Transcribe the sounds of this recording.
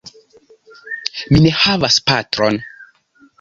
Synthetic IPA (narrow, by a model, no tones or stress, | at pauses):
mine̞havaspatɾon